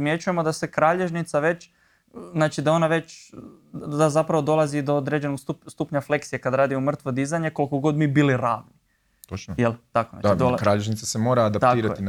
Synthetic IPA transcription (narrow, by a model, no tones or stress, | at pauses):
pimje̞t͡ʃuje̞mo̞d̪asekɾaːʎe̞ʒnit̪saʋe̞t͡ʃ | znaːt͡ʃid̪ao̞naʋe̞t͡ʃ | d̪azapɾaʋo̞d̪o̞lˠazid̪o̞od̪ɾe̞d͡ʑe̞noɡsust̪uːpɲafle̞ksijekad̪ɾaːd̪iomr̩t̪ʋod̪izaɲe̞ko̞lˠikoɡo̞d̪miːbiliɾaːʋni | t̪ot͡ʃnojelˠt̪akona̰ad̪olkɾaːʎeʒnit̪sasemo̞ːɾaːd̪apt̪atk̪iːɾa̰in